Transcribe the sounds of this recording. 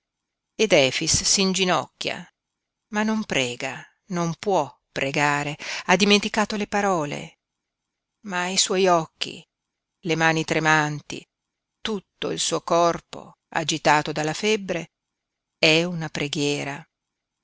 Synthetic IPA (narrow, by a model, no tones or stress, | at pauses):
ed̪ɛːfisːind͡ʒinɔ̰kːja̰ | manːompɾɛːɡa | nompwɔpːɾeɡaːɾead̪iment̪ikaːt̪olepaɾɔːlḛ | maiswɔjɔkːḭ | lemaːnit̪ɾemant̪ḭ | t̪ut̪ːo̰ilsuːokɔrpo̰ | a̰d͡ʒit̪aːt̪od̪alːafɛbːɾe | ɛunapɾeɡjɛːɾa